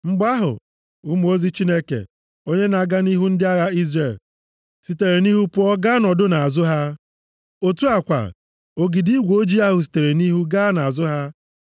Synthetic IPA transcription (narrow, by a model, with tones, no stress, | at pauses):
ŋ͡m̩˦ɡ͡ba˦ɦʊ̰˨ | u˦mu˨˦o˦zi˦t͡ʃi˦ne˦kḛ˨ | o˦ɲe˦na˨ɡa˦ni˦ɦu˦n̩˦dɪ˦a˦ɣa˦i˦zre˨l | si˨te˨ɾe˨ni˦ɦu˦pʊ˦ɔ˦ɡa˦nɔ˨dʊ˦na˨a˨zʊ˦ɦa˦ | o˦tu˦a˨kʷa̰˨ | o˨ɡi˨di˦ɡʷo˦d͡ʒi˦a˦ɦʊ˨s̬i̥˨te˨ɾe˨ni˦ɦu˦ɡa˦na˨a˨zʊ˦ɦa˦